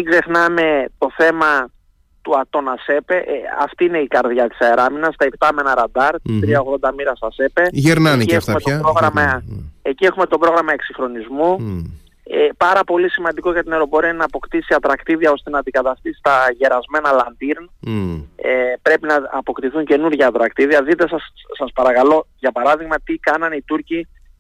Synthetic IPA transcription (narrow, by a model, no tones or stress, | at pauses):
ɡze̞xnɐme̞t̪o̞θe̞mɐ | t̪uɐt̪o̞nɐse̞pe̞ʔɐ̰ft̪iine̞ikɐɾðʝɐt̪i̥sɐeɾɐminɐst̪ɐept̪ɐme̞nɐɾɐnd̪ɐɾt̪t̪ɾiɐo̞ɣðo̞nd̪ɐmiɾɐsɐse̞pe̞ʝeɾnɐniefut̪met̪opɾoɣɾɐmɐecie̞xumet̪o̞pɾo̞ɣɾɐmɐe̞ksixɾo̞nizmu | epɐɾɐpo̞lisimɐnd̪iko̞ʝɐt̪ine̞ɾo̞po̞ɾiɐnɐːpo̞kt̪isiɐt̪ɾɐkt̪iðiɐo̞st̪e̞nɐːnd̪ikɐt̪ɐst̪isi̥t̪ɐʝe̞ɾɐzme̞nɐlɐnd̪iɾn | epɾe̞pinɐɐpo̞kt̪iθuɲce̞nuɾʝɐːt̪ɾɐkt̪iðiɐðit̪e̞sɐsɐspɐɾɐkɐlo̞ʝɐpɐɾɐðiɣmɐt̪ikɐnɐnit̪uɾci